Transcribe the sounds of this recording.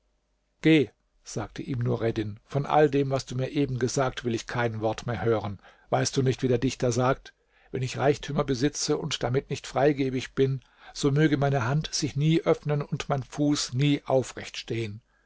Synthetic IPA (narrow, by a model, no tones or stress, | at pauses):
ɡ̥eː | z̥aːk̚tʰəʔiːmnuːɐʁɛdɪnfɔnʔa̰ldeːmvasd̥uːmiːɐʔeːbm̩ɡəzaːk̚tv̥ɪlɪçkʰaɪnvɔɐtmeːɐhøːʁən | vaɪstd̥uːnɪçtv̥iːdeːɐdɪçtɐzaːk̚t | vɛnɪçʁaɪçtʰyːmɐbəzɪt͡səʊntd̥amɪtnɪçtfʁ̥aɪɡeːbɪçb̥ɪn | z̥oːmøːɡəmaɪnəɦantz̥ɪçniːʔœfnənʊntmaɪnfuːsniːʔaʊfʁɛ̰çtʃteːən